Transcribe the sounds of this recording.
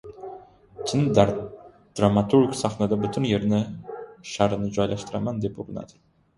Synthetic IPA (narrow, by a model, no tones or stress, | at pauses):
t̪ʰɪn | d̪̥ɾamat̪ʰuɾkʲsɑχnad̪abʊt̪ʰynjeɾnɪʃaɾɨnɪd͡ʒɒjlˠaʃt̪ɨɾamand̪epuɾɨna̰d̪ɪ